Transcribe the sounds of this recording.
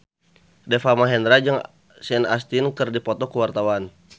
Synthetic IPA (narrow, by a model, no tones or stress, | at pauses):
dɛfamaɦɛndɾad͡ʒɨŋ | snast̪inkɨrdipɔt̪ɔkuwart̪awan